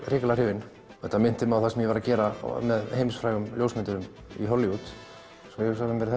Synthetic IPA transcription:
rɪːklar̥ɪːvɪn | θɛt̪ːamɪn̥t̪ɪmawθasɛmjɛvaɾaðcɛːɾa̰mɛðhejmsfɾaːjɣʏmljoːwsmɪnt̪ʏɾʏm | ḭɦɔlːiut̪ | sɔjɛsaɪmvɛɾɪθ

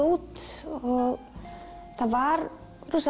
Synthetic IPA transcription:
uːt̪ɔ | θavaɾ | ɾus

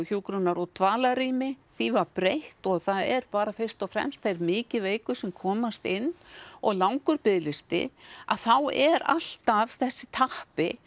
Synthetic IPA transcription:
çuːkɾʏnaɾɔɣt̪ʰvaːlaɾiːmɪθivaɾpɾejht̪ɔɣθaðɛɾpaːɾafɪr̥st̪ɔfɾɛ̰mst̪θejɾmɪːcɪveːjkʏsɛmkʰɔːmast̪ɪnːɔɣlawŋkʏɾpɪðlɪst̪ɪ̰a̰ðθawɛɾa̰l̥t̪av̥θɛsːɪt̪ʰahpɪ

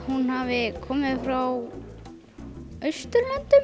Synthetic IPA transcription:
hunhavɪkʰɔːmɪðfɾaw | œɥst̪ʏɾlɛnt̪ʏ

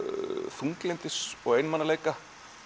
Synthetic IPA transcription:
θuŋklɛnt̪ɪsɔɣejnmanːaleːjka

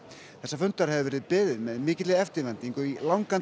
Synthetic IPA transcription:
θɛsːafʏnt̪aɾ̥hɛvɪvɛːɾɪðpɪːðɪðmɛðmɪːcɪt̪lɪɛft̪ɪɾvɛnt̪iŋkɔilawŋkan

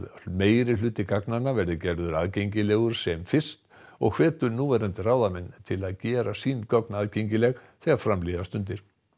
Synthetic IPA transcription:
meːjɾɪlʏːt̪ɪkaknanːavɛɾðʏcɛɾðʏɾaðcejɲcɪlɛːɣʏɾ̥sɛmfɪr̥st̪ | ɔɣkʰv̥ɛːt̪ʏɾnuːvɛɾant̪ɪraːwðamɛnt̪ʰɪlaðcɛːɾasinkɔknaðceɲcɪlɛɣθɛːɣaɾfɾamliðast̪ʏnt̪̬ɪɾ̥

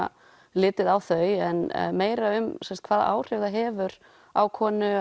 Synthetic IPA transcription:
lɪːt̪ɪðawθœɥɛnmeːjɾaʏmsɛmst̪̚kʰvaːða̰ːwr̥ɪɣðaɦɛːvʏɾ̥ | awkʰɔːnʏ

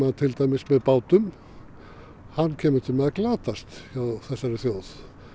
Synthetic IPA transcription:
ðt̪ʰɪlt̪ajmɪsmɛðpaːwt̪ʏm | hanːcʰɛːmʏt̪ʰɪlmɛðaklaːt̪ast̪çaːwθɛsːaɾɪθjoːwθ

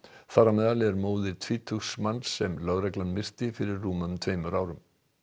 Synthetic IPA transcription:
θaːɾamɛːðalɪɛɾmoːwðɪɾ̥t̪ʰviːt̪ʰʏxsmanːsːɛmlœɣɾɛklanmɪr̥t̪ɪfɪɾɪɾːuːmœmt̪ʰveːjmʏɾaːwɾʏm

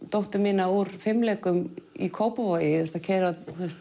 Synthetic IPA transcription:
t̪owht̪ʏmːɪːnauɾ̥fɪmlɛːkʏmḭkʰoːwpavɔjɪɛɾ̥st̪acʰɛɾaθɛst̪

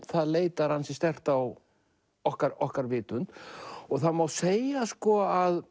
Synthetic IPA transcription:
θaðleːjt̪aɾ̥hansɪst̪ɛr̥t̪aw | ɔhkaɾɔhkaɾvɪːt̪ʏnt̪ɔɣθaðmawseːjaskɔað

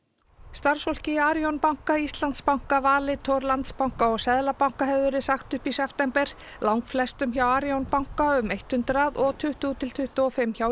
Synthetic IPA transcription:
st̪aɾ̥sfɔl̥cɪaːɾjonpawŋ̥kaist̪lant̪spawŋ̥kavaːlɪt̪ʰɔɾlant̪spawŋ̥kaɔɣsɛðlapawŋ̥kaɦɛvvʏɾɪsaxt̪ʏhpisɛft̪ɛmpɛɾ̥ | lawŋkflɛst̪ʏmçawaɾjownpawŋ̥kaʏmejht̪hʏnt̪ɾaðɔɣt̪ʰʏht̪ut̪ʰɪl̥t̪ʰʏht̪ʏɔfɪmːçaw

